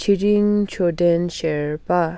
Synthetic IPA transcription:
t͡ɕʰiɹiŋt͡ɕʰodɛnɕɛɹpa

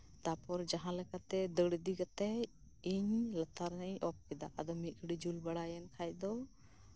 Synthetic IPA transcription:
t̪apɔɾd͡ʒaɦãlɛkat̪ɛd̪əɽd̪iɡat̪ɛ | iɲlət̪aɾnəjʔɔp̚kɛd̪aʔad̪ɔmikɽid͡ʒulbaɽajɛnkʰajd̪ɔ

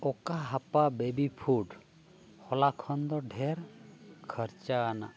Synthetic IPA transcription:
ɔkaɦapabebipʰuɖ | hɔlakʰɔnd̪ɔɖʱɛɾkʰəɾt͡ʃaːna̰ʔ

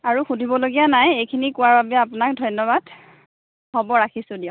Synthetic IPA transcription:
aɹuxudʱibɔloɡijanajejkʰinikʊwaɹbabɛapʊnak̚dʱɔjnːɔbad̥ | hɔbɔɹakʰisʊ̃diʊ̃

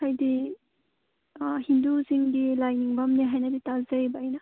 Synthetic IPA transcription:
hajdi | ɦinduziŋɡilajniŋbɐmniɦajnɐditazajbaajnɐ

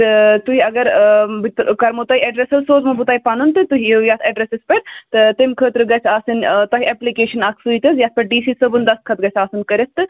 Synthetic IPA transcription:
t̪ɨt̪uɦiɐɡɐɾbkɐɾmot̪ɐiɛɖɾesɐlsoːzmɐbut̪aːipaːnunt̪ɨt̪uɦiejaːt̪ʰeːɖɾesɪspɐɾt̪ɨt̪imkʰəːt̪ɾɨɡɐsaːsɨnt̪ɐkʲɛplikeːʃɐnaksuit̪ɐzjaːt̪̚pɐɾɖiːsiːsəbund̪ɐskʰɐt̪ɡɐsʲaːsɨnkɐɾest̪ɨ

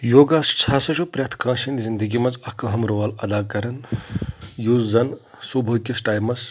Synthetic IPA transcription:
joːɡaːst͡ʃʰaːsɐt͡ʃʰupɾʲɐt̪ʰkãːʃind̪zind̪əɡimɐzɐkʰɐɦɐmɾoːʋɐlɐd̪aːkɐɾɐn | juːzzɐn | subʱɐkʲisʈaːjmɐs

